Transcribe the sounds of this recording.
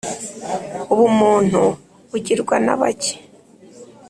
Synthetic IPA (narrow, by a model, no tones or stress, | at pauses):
uβumuːn̥u | uɟiɾɡwana̰βace̥